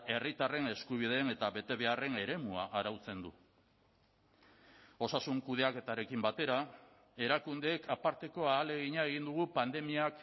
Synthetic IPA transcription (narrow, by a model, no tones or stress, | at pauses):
e̞rit̪are̞ne̞skuβ̞iðe̞ːne̞t̪aβe̞t̪e̞βe̞are̞ne̞ɾe̞muaʔaɾawt͡se̞nd̪u | o̞sasuŋkuð̞e̞ake̞t̪aɾe̞kimbat̪e̞ɾa | e̞ɾakund̪eːkʰapaɾt̪e̞ko̞aːle̞ɣiɲaeɣ̞ind̪uɣ̞upand̪e̞miak